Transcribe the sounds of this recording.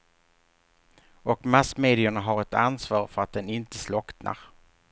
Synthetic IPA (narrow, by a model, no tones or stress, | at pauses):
ɔkmasmeːd̪ɪəɳaɦaɾɛt̪ansvɑːɾfœɾat̪̚d̪ɛnɪnt̪əslɔkt̪na̰ɾ